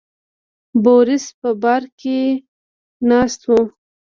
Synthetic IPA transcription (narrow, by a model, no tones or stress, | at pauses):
boɾɪspəbɑɾke | nɑst̪wu